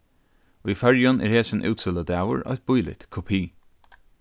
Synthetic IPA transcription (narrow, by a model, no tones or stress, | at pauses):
ifœɹjʊnʔɛ̰ːɹheːsɪnʔʉ̰ːt̪sɪləd̪æːwʊ̰ɹɔ̰jt̪̚b̥ʊjlɪ̰t̪kʰɔpʰiː